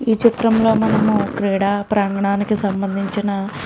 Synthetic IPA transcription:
iːt͡ʃit̪ɾɐmlo̞ːmɐnɐmukɾiːɽaːpɾaːŋɡɐɳaːnikisɐmbɐnd̪ʱiɲt͡ʃinɐ

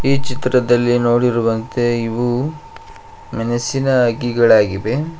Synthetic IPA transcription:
iːt͡ʃit̪ɾɐd̪ɐlːino̞ːɽiɾuʋɐnt̪eiʋu | mɐnɐsinɐːɡiɡɐɭaːɡiʋe̞

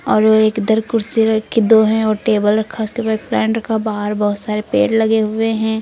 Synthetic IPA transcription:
ɔːɾʋoeːkd̪ɐɾkʊɾt͡ʃeɾkʰɪd̪oɦɛ̃ɔːɾʈeːbəlɾɐkʰːaʊskebaek̚plɛ̃ːɳʈɾɐkʰabaːɦəɾbɐɦʊt̪saːɾepḛːʈlɐɡeɦʊeɦɛ̃

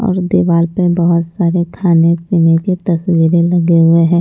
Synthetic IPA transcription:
ɔ̰ːɾd̪iʋaːɾpebɐɦʊt̪saːɾekʰaːnepiːneket̪ɐswiːɾelɐɡeɦʊeɦɛ̃ː

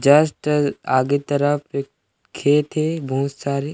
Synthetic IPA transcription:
d͡ʒɐsʈaːɡet̪əɾəpek | kʰːeːt̪ɦebɔɦʊt̪saːɾe

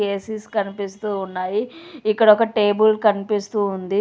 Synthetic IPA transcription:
eːsiskɐnipist̪uːunːaːjiikːɐɽɐɔkɐʈe̞ːbulkɐnipist̪uːund̪i

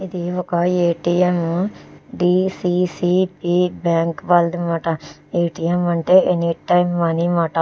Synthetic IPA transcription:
ɪd̪iokaːeːʈiːem | ɖiːsiːsiːpiːbɛ̃ːŋkʋald̪maʈaː | eːʈiːeːmːəɳʈeeniːʈaːimːaniːmaʈa

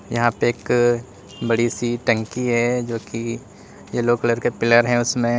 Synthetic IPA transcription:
jɐɦãpeeːk | bɐɽisiʈə̃ŋkiɦɛd͡ʒoːki | jeloːkləɾkepɪləɾɦɛ̃ʊsmẽ

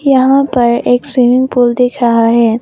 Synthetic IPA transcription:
jɐɦãpɐɾeːkswimɪ̃ŋɡpuːld̪ɪkʰɾɐɦaɦɛː

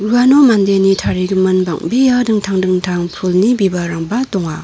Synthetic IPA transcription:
ɾuanomandenitʰaɾiɡɯmɯnba̰ŋbijadɯŋtʰaŋdɯŋtʰaŋpʰulnibibaɾaŋbat̪ɔŋa

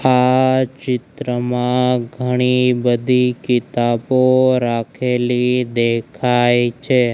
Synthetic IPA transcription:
at͡ʃɪt̪ɾəmãɡʱəɽ̃ibəd̪ʱikɪt̪aboɾakʰelid̪ekʰajt͡ʃʰe

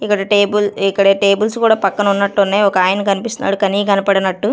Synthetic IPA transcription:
ikːɐɽɐʈeːbulikːɐɽeːʈe̞ːbulskuːɽaːpɐkːɐnɐunːɐʈːunːaːjɔkɐaːjɐnɐkɐnipist̪una̰ːɽukɐniːkɐnipɐɽɐnɐʈːu

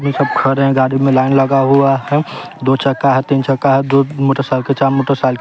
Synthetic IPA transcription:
mesəb̚kʰəɾɦɛ̃ɡaɽimẽlaɪnləɡaɦuaɦɛ | d̪ot͡ʃəkːaɦɛt̪int͡ʃəkːaɦɛd̪omoʈəɾsalket͡ʃaɾmoʈəɾsalk

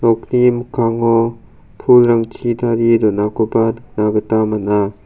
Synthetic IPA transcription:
ɾɔknimkʰaŋɔ | pʰulɾaŋt͡ʃʰidaɾidɔnakɔpadnaɡɯtamana

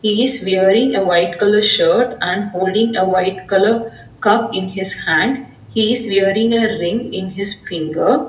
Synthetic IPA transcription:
hiːɪzʋɛəɾɪ̃ŋɡeʋaɪʈkʌləɾʃəːɾʈʔæ̃ɳɖhoːlɖɪ̃ŋɡeʋaɪʈkʌləɾ | kʌpɪ̃nɦɪshæ̃ɳɖ | hiːɪzʋɛɾɪ̃ŋeɾɪ̃ŋɪ̃nɦɪsfɪ̃ŋɡəɾ

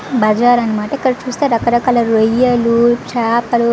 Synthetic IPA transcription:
bɐd͡ʒaːɾɐnːɐmaːʈɐikːɐɽɐt͡ʃuːst̪eːɾɐkɐɾɐkaːlɐɾojːɐlut͡ʃʰaːpɐlu

